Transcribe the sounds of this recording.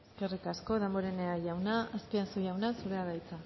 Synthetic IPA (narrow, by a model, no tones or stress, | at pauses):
eske̞rikasko̞ðemboɾeneaʝawnaaskiasuʝawnasuɾe̞aɣajt͡sa